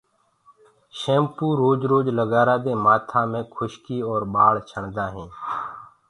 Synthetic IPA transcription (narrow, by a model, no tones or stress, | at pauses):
ʃẽːmpuːɾoːd͡ʒɾoːd͡ʒləɡaːɾaːd̪ẽːmaːt̪ʰãːmẽːkʰʊʃkiːɔːɾɓaːɽt͡ʃʰəɳd̪aːɦẽː